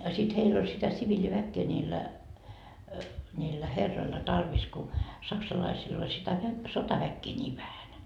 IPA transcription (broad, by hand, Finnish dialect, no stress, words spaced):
sit heilː olʲ sitæ siʋilʲiʋækːeː nʲiːlːæ nʲiːlːæ herːoilːɑ tɑrʋis ku sɑksɑlɑisil ol sitæ ʋæ sotɑʋækːeː nʲiːʋ ʋæhæn